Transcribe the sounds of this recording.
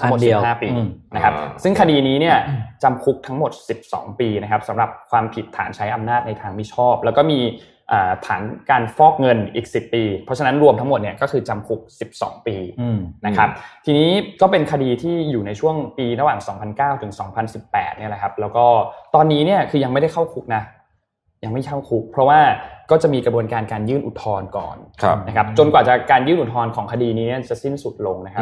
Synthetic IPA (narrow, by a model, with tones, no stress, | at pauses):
a˦˧m˨˩t̪̚haː˥˩piː˧na˦˥kʰa˦˥sɯ˥˩ŋkʰa˧diː˧niː˦˥ni˥˩ɐt͡ɕa˧mkʰu˦˥k̚t̪ʰa˦˥ŋmo˨˩t̪̚si˨˩p̚sɔ̰ː˩˦ŋpiː˧na˦˥kʰa˦˥p̚sa˩˦mɾa˨˩p̚kʰwaː˧mpʰi˨˩t̪ʰːa̰ː˩˦nt͡ɕʰa˦˥jʔa˧mnaː˥˩t̪̚na˧jt̪ʰaː˧ŋmi˦˥t͡ɕʰɔː˥˩p̚lɛː˦˥wkɔː˥˩miː˧ | ʔaː˨˩t̪ʰaː˩˦nkaː˧nfɔː˥˩k̚ŋɤ˧nʔiː˨˩k̚si˨˩pːiː˧pʰɔ˦˥t͡ɕʰa˧na˦˥nɾu˧əmt̪ʰa˦ŋmo˨˩t̪̚ni˥˩ɐkɔː˥˩kʰɯː˧t͡ɕa˧mkʰu˦˥k̚si˨˩p̚sɔ̰ː˩˦ŋpiː˧na˦kʰa˦˥p̚t̪ʰiː˧niː˦˥kɔː˥˩pe˧nkʰa˧diː˧t̪ʰiː˥˩juː˨˩na˧jt͡ɕʰu˥˩əŋpiː˧ɾa˧waː˨˩ŋsɔː˩˦ŋpʰa˧nkaː˥˩wt̪ʰɯ˩˦ŋsɔː˩˦ŋpʰa˧nsi˨˩pːɛ̰ː˨˩t̪̚ni˥˩ɐla˦kʰa˦˥p̚lɛː˦˥wkɔː˥˩t̪ɔː˧nːiː˦˥ni˥˩ɐkʰɯː˧ja˧ŋma˥˩da˥˩jkʰa˥˩wkʰu˦˥k̚na˦˥ | ja˧ŋma˥˩jkʰa˥˩wkʰu˦˥k̚pʰɾɔ˦˥waː˥˩kɔː˥˩t͡ɕa˨˩miː˧kɾa˧bu˧ənkaː˧nkaː˧njɯː˥˩nʔu˨˩t̪ʰːɔː˧nkɔ̰ː˨˩nʰna˦˥kʰa˦˥p̚t͡ɕo˧nkwaː˨˩t͡ɕa˨˩kaː˧njɯː˥˩nʔu˨˩t̪ʰɔː˧nkʰɔː˩˦ŋkʰa˧diː˧niː˦˥ni˥˩ɐt͡ɕa˨˩si˥˩nsu˨˩t̪̚lo˧ŋna˦˥kʰa˦˥